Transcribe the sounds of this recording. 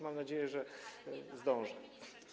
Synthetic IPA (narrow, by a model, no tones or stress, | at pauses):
mamnad͡ʑejɛʐɛ | zd̪ɔ̃w̃ʐɛ